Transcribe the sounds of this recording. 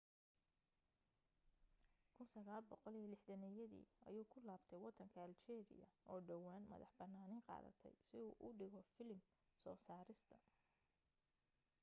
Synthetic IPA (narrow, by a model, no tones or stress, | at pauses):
kʰʊnsɐɣaːlbɔqɔlijɐlɪħd̪ɐnɛjɐðḭːɐ̰juːkʰʊlaːbt̪ʰɛjwɑd̪ɐŋkʰɐɐlt͡ʃɛːɾɪ̰jɐ̰ʔɔːɖɐwaːnmɐ̰ðɑħbɐnːaːnɪːŋqɑ̰ːðɐ̰t̪ʰɛ̰jsɪuːʔʊɖɪɣɔfɪlɪm | sɔːsaːɾɪst̪ʰɐ